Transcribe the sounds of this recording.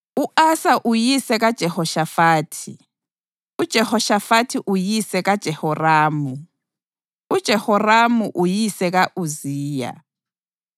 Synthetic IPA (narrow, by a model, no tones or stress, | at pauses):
uʔasaʔujisɛɣad̥ʒ̥ʱɛhɔʃafaːtʰi | ud̥ʒ̥ʱɛhɔʃafatʰiʔujisɛɣad̥ʒ̥ʱɛhɔraːmu | ud̥ʒ̥ʱɛhɔramuʔujisɛɣaʔuziːja̰